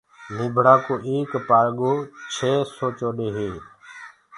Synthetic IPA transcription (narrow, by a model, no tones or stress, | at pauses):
niːbʱɽaːkoːʔeːkpaːɾɠoːt͡ʃʰeːsoːt͡ʃoːɗeːɦeː